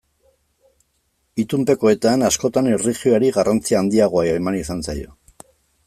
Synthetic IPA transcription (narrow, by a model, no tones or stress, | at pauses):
it̪umpe̞ko̞e̞t̪anasko̞t̪anerixioaɾiɣarʔant͡siaːnd̪iaɣ̞o̞aemanisansajo̞̰